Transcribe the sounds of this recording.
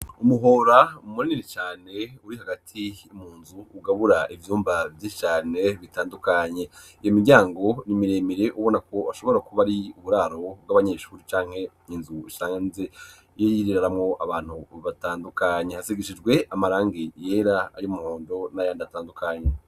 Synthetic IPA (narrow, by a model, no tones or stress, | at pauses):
umuɦo̞ːɾaumuɾininit͡ʃaːne̞uɾiɦaɡatʰiumuːnzuːɡaβuɾaʔivjuːmbavjit͡ʃaːne̞βitaːndukaɲe̞ijo̞miɟaːŋɡo̞nimiɾeːmiɾe̞ʔuβo̞nako̞aʃo̞βo̞ɾakuβaɾiuβuɾaːɾo̞b̚ɡaβaɲeːʃuːɾit͡ʃaːŋ̥he̞ | inzuiʃɾaŋanze | jeiɾiɾaɾamŋo̞ʔaβaːn̥huβataːndukaɲe̞hasiɡiʃid͡ʒɡwe̞amaɾaːŋɡijeːɾaajomuho̞ːndo̞najaːndaataːndukʰaɲe